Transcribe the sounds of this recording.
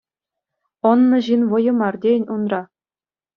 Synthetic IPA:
ɤ̆nːɤ̆ʑinʋɤ̆jɤ̆mɑrdʲenʲunrɑ

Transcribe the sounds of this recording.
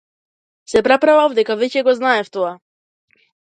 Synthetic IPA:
sɛpɾapɾavavd̪ɛkavɛcɛɡɔznaɛft̪ɔa

